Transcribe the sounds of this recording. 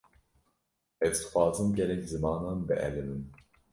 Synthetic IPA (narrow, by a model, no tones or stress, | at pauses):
ɛzd̪xʷwɑːzɨmɟɛlɛczɨmɑːnɑːnbɨ̰ʔɛ̰lɨmɨn